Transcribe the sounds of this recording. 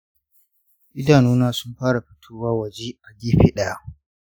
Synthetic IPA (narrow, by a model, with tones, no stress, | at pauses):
ʔɪ˦daː˨nuː˦naː˦sʊ˦mɸaː˦ɽa˨ɸɪ˦tʰuː˦waː˦wɐ˨d͡ʒe˦ʔa˨ɡiː˦ɸɪ˦ɗa˦˨˦